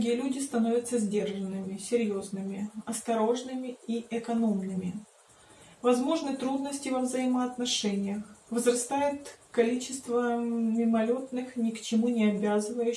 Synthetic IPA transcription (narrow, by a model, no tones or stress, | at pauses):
ɡʲijəlʲudʲɪst̪ɐno̞vʲɐt̪səzʲdʲe̞rʐənːɨmʲɪsʲɪɾʲjo̞znɨmʲɪɐst̪ɐɾo̞ʐnɨmʲɪiɛkɐnomnɨmʲɪ | vɐzmo̞ʐnɨt̪ɾud̪nəsʲtʲɪvəvzɐjiməɐt̪nɐʂɛnʲɪjəxvzrɐst̪ajʊt̪kɐlʲit͡ɕɪst̪vəmʲɪmɐlʲo̞t̪nɨxnʲɪkt͡ɕɪmunʲɪɐbʲazɨvəjʉ